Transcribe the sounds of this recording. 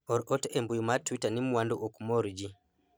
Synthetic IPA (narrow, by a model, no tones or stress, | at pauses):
ɔɾʔɔtɛmbujumatwitanimuwanduʔɔkumɔɾid͡ʒi